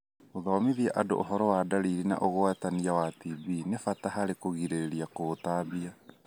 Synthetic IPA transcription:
oðɔːmiðiaʔado̰ʔːɦɔɾɔwadaɾiɾina̰ʔoɣoataniawatibinefataɦaɾekoɣiɾeɾeɾiakotaːβia

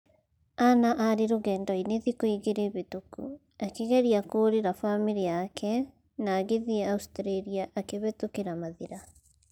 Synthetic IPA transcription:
anaʔaɾeɾoɣɛːndɔineðikoiɣeɾeβetukṵ | akeɣɛɾiakoːɾeɾafamiɾiakʰɛ | naːɣeðiɛaustɾeɾiaʔakeβɛtokeɾamaðiɾa

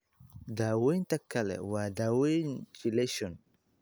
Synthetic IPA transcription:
dawejntakːalɛ̰wadawend͡ʒileʃɔn

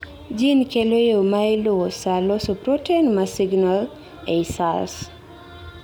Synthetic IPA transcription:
d͡ʒinkelojomaelowɔsalɔsupɾɔtenmasiɡnal | eisa̰ls

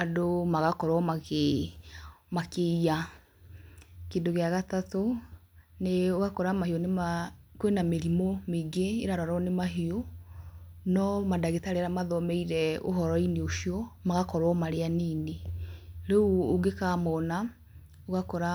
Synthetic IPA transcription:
adomaɣakɔɾwɔma | makeia | kendoɣeaɣatato | neoɣakɔɾamaheonemakwenameɾimomeɡeeɾaɾɔɾɔnemaɦio | nɔmadaɣetaɾeɾamaðɔmɛiɾɛo̰ɦɔɾɔineoʃiɔmaɣakɔɾwɔmaɾeaniːneɾeuoɡekamɔːna | oɣakɔɾa

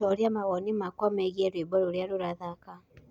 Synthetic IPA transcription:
ɔɾjamaɣonimakwameɣieɾwibɔɾuɾjaɾuɾaðaka

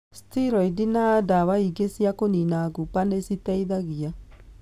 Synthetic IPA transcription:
stiɾɔidinadawaiɡesiakoninaɡupanesitɛiðaɣia

